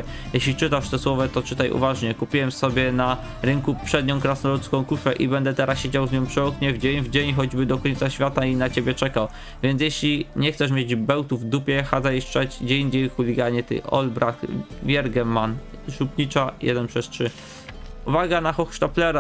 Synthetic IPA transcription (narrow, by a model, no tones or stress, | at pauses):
jɛɕlʲit͡ʂɘt̪aʂt̪ɛswɔvat̪ɔt͡ʂɘt̪ajṵvaʐɲɛkupʲiwɛmsɔbʲjɛna | ɾɘŋkupʂɛd̪ɲɔ̃w̃kɾasnɔɾut̪skɔ̃w̃kufɛʔibɛnd̪ɛt̪ɛɾasɕed͡ʑawzɲɔ̃pʂɛɔkɲɛvd͡ʑeɲvd͡ʑeɲxɔd͡ʑbɘd̪ɔkɔɲt̪saɕfʲjat̪ainat͡ɕebʲjɛt͡ʂɛkaw | vʲjɛnt̪sjeɕlʲiɲɛxt̪sɛʂ̬mʲjed͡ʑbɛwt̪uvd̪upʲjɛxad̪zaiʂt͡ʂɛd͡ʑd͡ʑɛɲd͡ʑejxulʲiɡaɲɛt̪ɘ̰ɔ̰lbɾʔaxvʲjɛɾɡɛmːan | ʂupɲit͡ʂajɛ̰d̪ɛnpʂɛstʂɘ | uvaɡanaxɔxʂt̪aplɛɾa